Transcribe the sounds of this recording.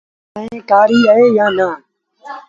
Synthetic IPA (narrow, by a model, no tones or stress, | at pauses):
əẽːkaːɾiːəɦeːjãːnaː